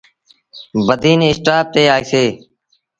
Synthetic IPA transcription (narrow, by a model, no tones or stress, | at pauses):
bəd̪ʱiːnːɪsʈaːp̚t̪eːaːeːseː